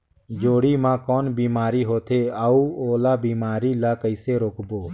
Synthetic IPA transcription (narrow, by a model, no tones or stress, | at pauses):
d͡ʒoːɽiːmãːkɔːnbiːmaːɾiːɦoːt̪ʰeːaːuːoːlaːbiːmaːɾiːlaːkəɪseːɾoːkboː